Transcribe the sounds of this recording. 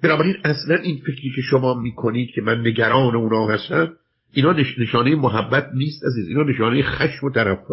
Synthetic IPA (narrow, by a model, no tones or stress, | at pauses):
b̥enɒːbæɾiːnæslænʔiːnfe̞kʰɾiːkʰeʃomɒːmiːkʰoniːd̪̥̚kʰe̞mænːe̞ɡæɾɒːneuːnɒːhæst̪æn | ʔiːnɒːneneʃɒːnejemoɦæbːæt̪̚niːst̪æziːziːnɒːne̞ʃɒːnejexæʃmot̪ʰæɾæfo